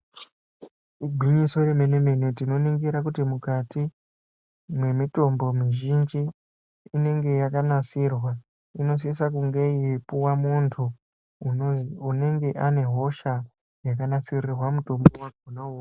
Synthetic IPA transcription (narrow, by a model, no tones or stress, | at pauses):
iɡʱiɲiso̞reme̞neme̞netino̞niŋɡiɾak̬utimukati | mwe̞mito̞mbo̞miʒind͡ʒiː | ne̞ŋɡe̞jakanasirwa | ino̞s̬isakuŋɡe̞iepuwamuntʰu | une̞ŋɡe̞ʔane̞ɦo̞ʃa | jakanasirirwamuto̞mbowaɡʱunaua